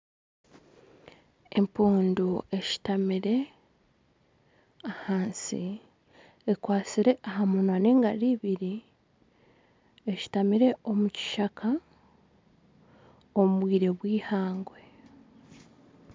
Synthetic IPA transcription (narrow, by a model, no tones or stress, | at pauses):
e̞mpuːndue̞ci̥tamiɾe̞ | ahaːnsḭ | ekwaːt͡siɾe̞ʔaɦamunwane̞ːŋɡaɾiβiɾi | eci̥tamiɾe̞o̞muci̥ʃakʰa | omuβwiːɾe̞βwiːhaːŋɡwe̞